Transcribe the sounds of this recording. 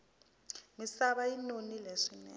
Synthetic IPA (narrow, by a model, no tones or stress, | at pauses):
misaɓainonileʂinɛ̰